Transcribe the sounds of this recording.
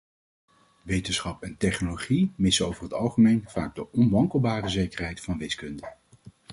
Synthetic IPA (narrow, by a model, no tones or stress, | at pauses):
ʋejtənsχɑpɛntɛχnoloχimɪsəowvəɹɦətɑlˠχəmejnv̥a̰ːɡ̚dəʔɔnʋɑŋkəlˠbaːrəzejkəɹɦɛjtfɑnʋɪskɵndə